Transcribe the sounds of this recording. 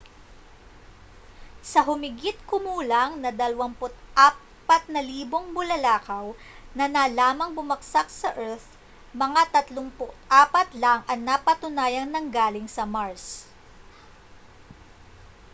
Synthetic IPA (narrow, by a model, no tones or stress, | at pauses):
sɐɦʊmɪɡit̪̚kʊmuːlɐŋnɐd̪ɐlwɐmpʊt̪ʔaː | pɐt̪̚nɐliːbo̞ŋmʊlɐlaːkɐw | nɐnalaːmɐŋbʊmɐɡsak̚sɐʔɛɹθ | mɐŋat̪ɐt̪loŋpʊt̪ʔaːpɐt̪laŋʔɐŋnapɐt̪ʊnaːjɐŋnɐŋɡaːlɪŋsɐmaɹs